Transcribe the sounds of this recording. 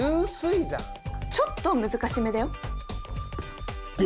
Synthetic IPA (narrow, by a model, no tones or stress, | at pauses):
ɯ̃sɨiza̰ | t͡ɕo̞t̪ːo̞mɯ̟zɨkaɕimed̪eo